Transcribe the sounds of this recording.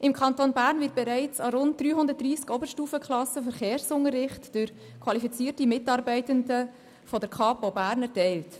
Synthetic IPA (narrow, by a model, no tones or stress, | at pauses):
ʔɪmkʰɑntonbæːɾnvɪt̚b̥ɛɾɛɪt͡sɑɾʊnt̚d̥̪ɾyːhʊnd̪əɾt̚d̥ɾiːskɔbəɾʃtuːfəkʰlɑsəfəɾχeːɾsʊŋəɾɪχtd̥ʏɾ | kʰwɑlifit͡siːtimɪtɑːɾbɛɪtəndə | fɔdəɾkʰɑːpobæːɾnɛɾtɛɪlt